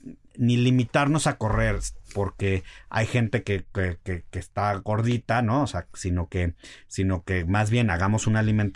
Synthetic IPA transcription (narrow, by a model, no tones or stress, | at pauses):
nilimit̪aɾno̞sako̞re̞ɾpo̞ɾke̞a̰jxe̞nt̪e̞kekekekest̪aɣo̞ɾðit̪ano̞ːseasino̞ke̞sino̞ke̞mazβje̞naɣamo̞sunaliment̪